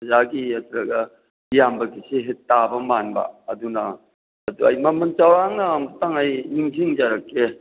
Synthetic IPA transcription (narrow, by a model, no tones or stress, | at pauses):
ɐzaɡiat̪ɾɐɡɐ | jambɐɡiseɦetːabɐmanbɐ̰ɐdunɐː | duɐ̰jmɐmɐnt͡ʃawɾaŋnɐmɐtaŋajniŋziŋd͡ʒaɾɐkːe